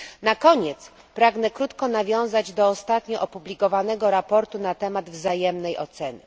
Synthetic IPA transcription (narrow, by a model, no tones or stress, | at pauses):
nakɔɲɛt̪s | pɾaɡnɛkɾut̪kɔnavʲjɔ̃w̃zad͡ʑd̪ɔːst̪at̪ɲɔʔɔpublʲikɔvanɛɡɔɾapɔɾt̪unat̪ɛmad̪vzajɛmnɛjʔɔ̰t̪sɛnɘ̰